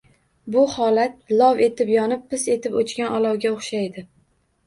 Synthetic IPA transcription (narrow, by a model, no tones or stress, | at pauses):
bʊhɒlat̪̚lɒwe̞t̪ʰɪpjɒnɪp̚ːɪse̞t̪ʰɪpot͡ʃkʲanʔɒlˠɒwɡʲaoχʃajd̪ɪ